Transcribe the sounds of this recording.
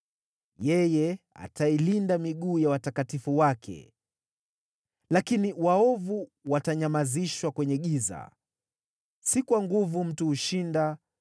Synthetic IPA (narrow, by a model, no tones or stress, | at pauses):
jɛjɛa̰tailindamiɠuːjawatakatifuwakʰɛ̰ | lakiniwaɔvuwataɲamaziʃwakwɛɲɛɠiza̰ | sikuwaŋɡuvum̩tuhuʃinda